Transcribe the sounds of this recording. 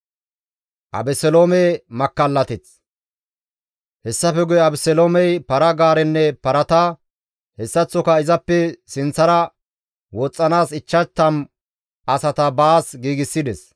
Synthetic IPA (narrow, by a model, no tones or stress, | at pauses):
ʔɐ̰bɛsɛloːmɛmɐkːɐlːɐt̪ɪt͡s | hɛsːɐfɛɡʊjɛɐbɛsɛloːmɛjpɐɾɐɡaːɾɛnːɛpɐɾɐt̪ɐ | hɛsːɐt͡sːɔkɐɪzɐpːɛsɪnt͡sːɐɾɐ | wɔt͡sʼːɐnaːsɪt͡ʃːɐt̪ːɐm | ʔɐsɐt̪ɐbaːsɡiːɡɪsːɪd̪ɛs